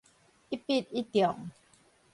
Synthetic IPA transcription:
ʔi˦pi˥˧˨t̪̚i˦t̪jɔ˨˩˦ŋ

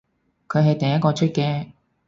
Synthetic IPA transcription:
kʰɵ˨˧ɥɦɐ˨jt̪ɐ˨ŋjɐ˥t̚kːɔː˧t͡ʃʰɵ˥t̚kɛː˧

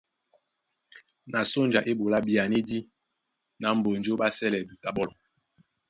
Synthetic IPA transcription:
na˨so˦nd͡ʒa˨ʔe˦bo˨la˦bi˦˨a˨ne˦di˦ | na˨˦m̩˨bo˨n˨d͡ʒo˦ba˦sɛ˦lɛ˨du˨ta˨bɔ˦lɔ˨

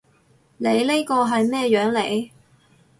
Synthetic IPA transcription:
le˨˧jle˥jkɔː˧ɦɐ˨jmɛː˥jœː˨˥ŋle˨˧˥j

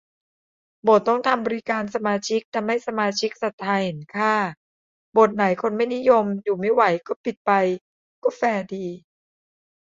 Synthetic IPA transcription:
bo˨˩t̪ːɔ˥˩ŋt̪ʰa˧mbɔː˧ɾi˦˥kaː˧nsa˧maː˧t͡ɕʰi˦˥k̚t̪ɛ˨˩ma˥˩jsa˧maː˧t͡ɕʰi˦˥k̚sa˨˩t̪ʰːaː˧jhe˨˩˦nkʰaː˥˩ | bo˨˩t̪̚na˨˩˦jkʰo˧nma˥˩jni˦˥jo˧mjuː˨˩ma˥˩jwa˩˦jkɔː˥˩pi˨˩t̪̚pa˧j | kɔː˥˩fɛː˧diː˧

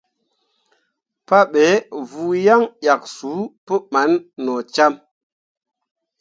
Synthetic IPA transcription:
pa˦ɓe˨˦vu˧ja˦ŋɗʲja˨k̚su˨˦pə˦ma˨˦nːɔ˨t͡ʃa˦m

